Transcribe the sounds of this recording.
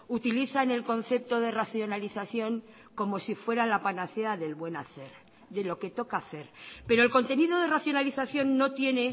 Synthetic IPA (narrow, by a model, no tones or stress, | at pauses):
ut̪iliθaene̞lko̞n̟θe̞p̚t̪o̞ðe̞raθjo̞naliθaθjo̞ŋ | ko̞mo̞sifwe̞ɾalapanaθeaðe̞lβwe̞naθe̞ɾ | ðe̞lo̞ke̞t̪o̞kaːθe̞ɾpe̞ɾolko̞nt̪e̞niðo̞ð̞e̞raθjonaliθaθjo̞nːo̞t̪je̞ne̞